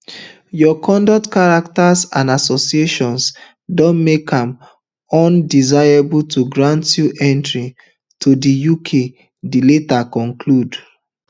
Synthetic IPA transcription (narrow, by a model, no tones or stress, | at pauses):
jɔkʰɔ̃ndɔk̚tkaɹak̚tasãnasɔsieʃɔ̃ns | dɔ̃nmekãm | ɔ̃ndizaɪɹebultʰuɡɹãntjuʔɛ̃ntɹĩ | tʰudijukʰe | diletakɔ̃ŋkʰlud